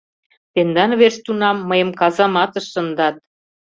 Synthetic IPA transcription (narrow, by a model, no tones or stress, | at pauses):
t̪end̪ɑnβerst̪unɑmːəjə̆mkɑzɑmɑt̪ə̆ʃːə̆nd̪ɑt̪̚